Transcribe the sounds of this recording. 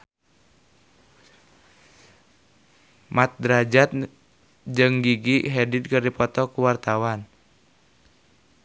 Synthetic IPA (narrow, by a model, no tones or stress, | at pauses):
mat̪̚dɾad͡ʒat̪̚ | d͡ʒɨŋɡiɡiɦɛdid̪̚kɨrdipɔt̪ɔkuwart̪awan